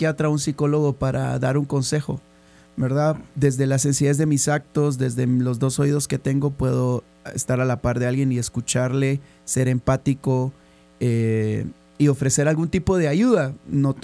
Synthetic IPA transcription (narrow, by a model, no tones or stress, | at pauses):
jat̪ɾaunsiko̞lo̞ɣo̞paɾʔa̰ðaɾuŋko̞nse̞xo̞̰ | be̞ɾðaðd̪e̞zðe̞lase̞nsiðe̞zðe̞misak̚t̪o̞z̬ðe̞zðe̞lo̞zðo̞so̞ið̞o̞sket̪e̞ŋɡo̞pwe̞ðo̞ | e̞̰st̪aɾalapaɾðe̞alɣje̞nie̞skut͡ʃaɾle̞ | se̞ɾe̞mpat̪iko̞ | e | io̞fɾe̞se̞ɾalɣunt̪ipo̞ð̞eaʝuðanot̪